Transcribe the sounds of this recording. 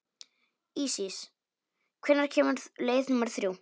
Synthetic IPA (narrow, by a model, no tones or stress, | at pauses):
iːsis | kʰvɛnːaɾ̥cʰɛːmʏɾðleːjðnumaɾ̥θɾjuw